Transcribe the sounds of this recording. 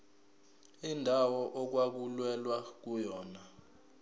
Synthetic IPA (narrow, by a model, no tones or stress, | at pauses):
indʱawɔʔɔk̬wak̬ulwɛlwak̬ujɔːna